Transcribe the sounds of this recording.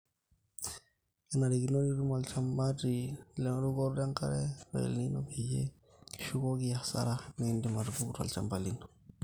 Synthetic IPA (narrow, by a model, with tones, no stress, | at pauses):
i˨na˨ɾi˨ɡi˨no˦ni˦ɾu˦ma˨lt͡ʃa˨mba˦di˨le˦ŋ˦ɾu˦ɡo˦ɾde˦ŋka̰˦ɾe˦wa̰˨lni˦no˨bi˨d͡ʒḛ˦ | ki̥˨ʃu˦ko˦ɡi˦ja˨sa̰˦ɾa˦ni˦ndi˦ma˨ɾi˨bu˦ku˦ɾa̰˨lt͡ʃa̰˨mba˨li˦n